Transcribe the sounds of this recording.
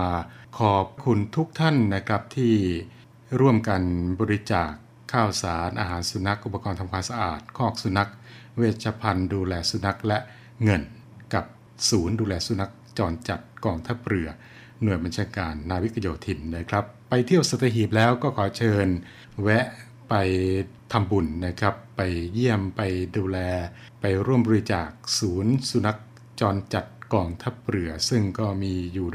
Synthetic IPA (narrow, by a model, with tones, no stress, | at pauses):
kʰɔː˩˨˩p̚kʰu˧nt̪ʰu˦˥k̚t̪ʰa˥˩nːa˦˥kʰɾa˦˥p̚t̪ʰiː˥˩ | ɾu˥˩əmka˧nbɔː˧ɾi˦˥t͡ɕaː˨˩kʰːaː˥˩wsaː˩˦nʔaː˧ɦaː˩˦nsu˧na˦˥k̚ʔu˧˩pːa˧kɔː˧nt̪ʰa˧mkʰaː˧nsa˧ʔaː˨˩t̪̚kʰɔː˥˩k̚su˧na˦˥k̚weː˧˩t̪̚t͡ɕʰaː˧pʰa˧nduː˧lɛː˧su˧na˦˥k̚lɛ˦˥ʔ | ŋɤ˧n | ka˨˩p̚ | suː˩˦nduː˧lɛː˧su˧na˦˥k̚t͡ɕɔː˧nt͡ɕa˨˩t̪̚kɔː˧ŋt̪ʰa˦˥p̚ɾɯ˧˩ɐ | nu˨˩əjba˧nt͡ɕʰaː˧kaː˧nːaː˧wi˦˥kʰa˧joː˨˩t̪ʰi˨˩nːa˦˥˩kʰɾa˦˥pːa˧jt̪ʰi˥˩əwsaː˨˧˩t̪ʰːa˧ɦiː˨˩p̚lɛː˦˥wkɔː˥˩kʰɔː˩˦t͡ɕʰɤː˧n | wɛ˦˥ʔ | pa˧jt̪ʰa˧mbu˨˩nːa˦˥˩kʰɾa˦˥pːa˧jːi˥˩əmpa˧jduː˧lɛː˧ | pa˧jɾu˥˩əmbɔː˧ɾi˧˥t͡ɕaː˨˩k̚suː˩˦nsu˧na˦˥k̚ | t͡ɕɔː˧nt͡ɕa˨˩t̪̚kɔː˧ŋt̪ʰa˦˥p̚ɾɯ˨˩ɐsɯ˥˩ŋkɔː˥˩miː˧juː˨˩